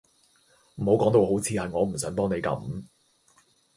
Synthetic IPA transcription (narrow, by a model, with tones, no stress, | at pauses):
m̩˨˩ho˨˥wkɔː˨˥ŋt̪o˨˧who˨˥wt͡sʰiː˨˧hɐ˨jŋɔː˨˧m̩˨˩s̬œː˨˥ŋpɔː˥ŋne˨˧jkɐ̰˨˥m